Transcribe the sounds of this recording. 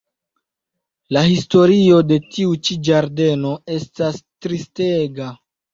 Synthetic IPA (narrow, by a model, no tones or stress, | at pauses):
lahisto̞ɾio̞de̞tiut͡ʃid͡ʒaɾde̞no̞e̞stastɾisteɡa